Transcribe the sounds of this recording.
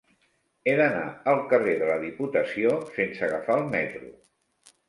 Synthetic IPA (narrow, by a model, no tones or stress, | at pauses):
eðəna̰əlˠkəreðələðiput̪əsiosensəɣəfaəlˠmɛt̪ɾṵ